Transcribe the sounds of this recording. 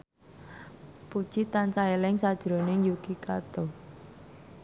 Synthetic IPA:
pud̥ʒ̥it̪ansaelɪŋsad̥ʒ̥ɾonɪŋjukikat̪ɔ

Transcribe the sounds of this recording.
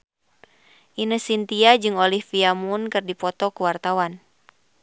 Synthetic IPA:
ʔinəsint̪iad͡ʒɨŋɔlihfiamunkɨrdipɔt̪ɔkuwart̪awan

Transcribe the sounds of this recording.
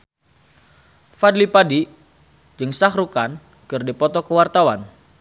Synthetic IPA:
fadlipadi | d͡ʒɨŋsaɦrukan | kɨrdipɔt̪ɔkəwart̪awan

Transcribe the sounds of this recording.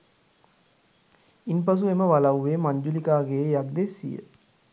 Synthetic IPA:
inp̬as̬ueməʋalawʋeːmaɲd͡ʒulikaːɡejak̚d̪esḭjə̰

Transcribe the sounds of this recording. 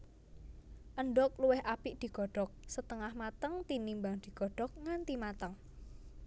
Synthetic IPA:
ʔəɳɖɔk̚luwɪɦapiʔd̪̥i̤ɡ̥ɔ̤ɖ̥ɔk̚sət̪əŋahmat̪əŋt̪inimbaŋd̪̥i̤ɡ̥ɔ̤ɖ̥ɔk̚ŋant̪imat̪əŋ

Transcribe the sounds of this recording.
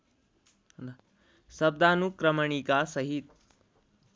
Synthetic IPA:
sɐb̚d̪aːnukɾɐmɐɳikasɐɦit̪̚

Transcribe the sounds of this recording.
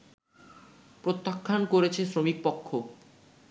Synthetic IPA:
pɾot̪ːakʰːankoɾet͡ɕʰesɾomik̚pɔkʰːo

